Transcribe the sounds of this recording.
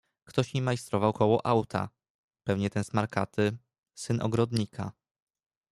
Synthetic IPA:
kt̪ɔɕmimajst̪ɾɔvawkɔwɔʔawt̪ʰa̰ | pɛvɲɛt̪ɛnsmaɾkat̪ɘ | sɘnʔɔ̰ɡɾɔd̪ɲikʰa̰

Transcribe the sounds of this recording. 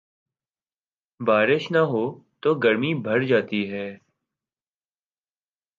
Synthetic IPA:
baːɾɪʃnəɦoːt̪oːɡəɾmiːbʱəɾd͡ʒaːt̪iːɦɛː

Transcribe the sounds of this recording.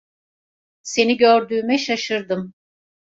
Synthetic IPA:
se̞niɟøɾd̪yːmɛʃaʃɯɾd̪ɯm

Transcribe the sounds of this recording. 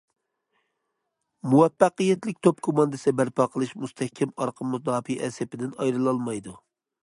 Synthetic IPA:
muwɛpːæqijɛt̪lɪk̚ʲt̪ʰopkʰomɑnd̪ɨsbæɾpʰɑːqʰəlˠɨʃmust̪ʰɛhkʲʰːɛmɑɾqʰəmːuzd̪ɑːpiʔɛsɛpɪd̪ɪnɑjɾɨlˠɑlˠmɑjd̪u

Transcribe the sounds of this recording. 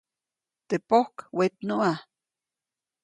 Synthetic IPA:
t̪epohkwet̪noʔa

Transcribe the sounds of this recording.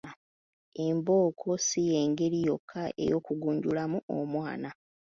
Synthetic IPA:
e̞mbo̞ːkʰo̞sijeːŋɡe̞ɾijo̞kʰːaʔe̞̰jo̞kuɡuːɲɟulamuomwaːna

